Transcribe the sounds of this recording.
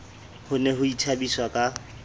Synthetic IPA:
hʊneɦʊit͡ʃʰabiswakʼa

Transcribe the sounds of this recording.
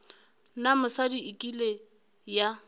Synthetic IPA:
namʊsadiikʼile | ja

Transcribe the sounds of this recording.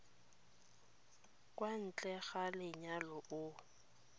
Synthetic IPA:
kʼwan̩t͡ɬʼɛɣalɪɲalɔʊ

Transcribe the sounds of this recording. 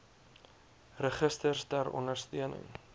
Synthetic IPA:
rəχəstərsdæɾɔ̰nərstiənə̰ŋ

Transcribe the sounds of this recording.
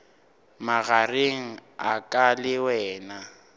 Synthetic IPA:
maɣareŋ̩akʼalɪwɛːna

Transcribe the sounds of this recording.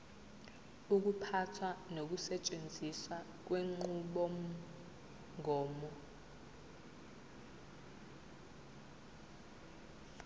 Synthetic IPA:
uk̬upʰatʰwanok̬usɛt͡ʃʼend͡zʱiswa | k̬weŋ͡ǃuɓɔ | ŋʱɔːmɔ

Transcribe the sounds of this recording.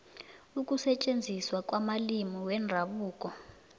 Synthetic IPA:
ukʼusɛt͡ʃʼend͡zʱiswak̬ʼwamalimiwɛndʱaɓuːkʼɔ

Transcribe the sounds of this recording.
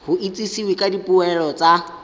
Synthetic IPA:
hʊʔit͡sʼisiwekʼadipʼuɛlɔt͡sʼa

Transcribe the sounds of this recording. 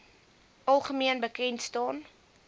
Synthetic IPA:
ʔɐlˠχəmiənbəkɛntstɑːn

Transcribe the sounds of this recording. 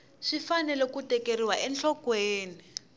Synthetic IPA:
ʂifanɛlɛkutɛkeɾiwaʔɛnt͡ɬɔkweːni

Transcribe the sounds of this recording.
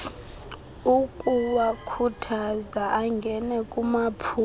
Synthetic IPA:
ukʼuwakʰutʰazaʔaŋɡʱɛnɛkʼumapʰu

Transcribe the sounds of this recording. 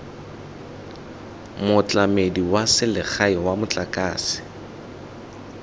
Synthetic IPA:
mʊt͡ɬʼamediwasɪlɪk͡xaɪwamʊt͡ɬʼakʼaːsɪ̥

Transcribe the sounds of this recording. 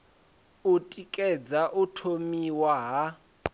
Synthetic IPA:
utʼikʼɛd͡zaʔutʰomiwaɦa

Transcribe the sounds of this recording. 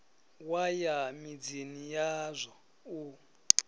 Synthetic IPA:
wajamid͡zinijazʷɔ | u

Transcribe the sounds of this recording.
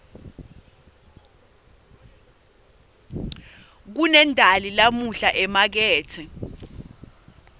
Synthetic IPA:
k̬unɛndʱalilamuɬaʔɛmak̬ɛːtʰɛ

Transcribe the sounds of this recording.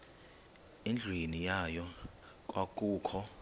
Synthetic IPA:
end͡ɮʱwinijajɔ | k̬ʼwakʼuːkʰɔ

